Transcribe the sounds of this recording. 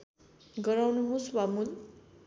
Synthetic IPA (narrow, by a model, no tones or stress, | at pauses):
ɡʌɾawnuɦõswamud̪